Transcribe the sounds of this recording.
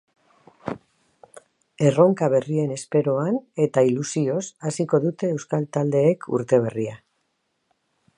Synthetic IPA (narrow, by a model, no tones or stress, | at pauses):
e̞ro̞ŋkaβ̞e̞rie̞ne̞spe̞ɾo̞ane̞t̪ailusio̞sasiko̞ðut̪e̞ːwskalt̪ald̪e̞ːkʰṵɾt̪e̞β̞e̞ria